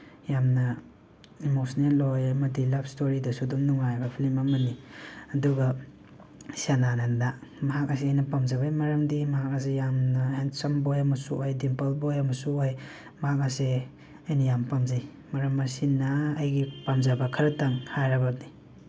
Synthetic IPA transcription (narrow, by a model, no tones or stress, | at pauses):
jamnɐ | mosnetojɐmɐdilabstoɾidɐsudumnuŋajbɐpʰilimamɐniɐduɡɐ | siananandamɐɦak̚ɐs̬iajnɐpamzaβajmɐɾɐmdimɐɦak̚ɐsejamnɐhensɐmbojɐmɐsuʔojdimpalbojɐmɐsuoj | mɐɦhak̬̚ɐse | ɐjnɐjampamzaj | mɐɾɐmːɐsinːaːjɡipamzabakʰɐɾɐtaŋhajɾabani